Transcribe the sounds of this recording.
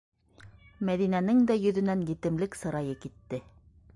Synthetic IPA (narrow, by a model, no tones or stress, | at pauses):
mæðinænɘŋd̪æjɵ̆ðɵ̆næŋjɘ̆t̪ɘ̆mlɘksɤ̆ɾɑjɤkit̪ːɘ